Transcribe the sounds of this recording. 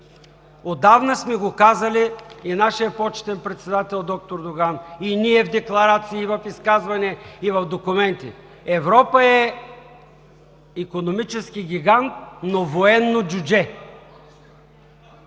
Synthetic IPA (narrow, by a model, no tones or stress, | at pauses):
od̪avnəsmɛɡokazəliːnaʃijəpɔt͡ʃɛ̥t̪ɛnpɾɛt̪sɛd̪at̪ɛlˠd̪ɔk̚t̪oɾd̪oɡaniniɛvd̪ɛklˠɐɾat̪siːvɐfiskazvɐnɛivɐfd̪okʊmɛnt̪ḭ | ɛvɾɔpəɛ | ikonomit͡ʃɛskiɡʲiɡant̪̚novoɛnːod͡ʒud͡ʒɛ